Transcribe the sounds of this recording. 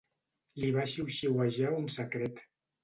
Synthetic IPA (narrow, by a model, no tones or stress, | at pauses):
liβaʃiwʃiwaʒaunsəkɾet̪